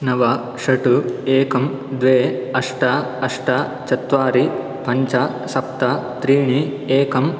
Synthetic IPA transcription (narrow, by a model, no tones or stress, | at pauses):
nɐʋɐ | ʂɐʈueːkɐm | d̪ʋeːɐʂʈɐɐʂʈɐt͡ʃɐt̪ʋaːɾi | pɐɲt͡ʃɐ | sɐpt̪ɐt̪ɾiːɳi | eːkɐm